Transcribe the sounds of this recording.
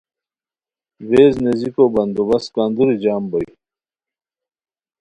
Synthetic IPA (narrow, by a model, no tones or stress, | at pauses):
veːznezikoːbɐnd̪ubɐskand̪uɾid͡ʑaːmbɐj